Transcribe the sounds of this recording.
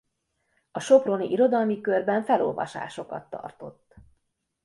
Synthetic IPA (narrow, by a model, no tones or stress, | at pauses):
ɒʃo̞pro̞niʔiɾo̞d̪ɒlmikørbɛɱfɛlo̰lvɒ̰ʃa̰ːʃo̞kɒ̰t̪ːɒ̰rt̪o̞t̪ː